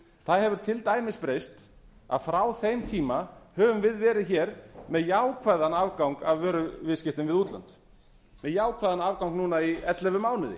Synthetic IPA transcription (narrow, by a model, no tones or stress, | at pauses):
θaðhɛvʏɾ̥t̪ʰɪlt̪aːjmɪspɾeːjst̪ | a̰ðfɾawθejmt̪ʰiːmahœːvʏmvɪðvɛːɾɪðçɛɾmɛðjaːwkʰvaðanavkawŋkavvœːɾʏvɪðscɪht̪ɪnvɪðut̪la̰nt̪ | mɛðjaːwkʰvaðanaːvkawŋknuːnaiɛt̪lɛvʏmaːwnɪðɪ̰